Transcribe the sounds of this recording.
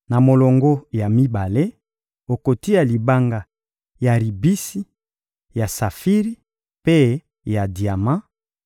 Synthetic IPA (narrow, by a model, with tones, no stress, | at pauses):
na˨mo˨lɔ˨ŋɡo˦ja˨mi˦ba˨le˦ | o˨ko˨ti˦ja˨li˨ba˦ŋɡa˨ | ja˨ʁi˨bi˦si˦ | ja˨sa˨fi˦ʁi˦ | pe˦ | ja˨di˨a˨mã˦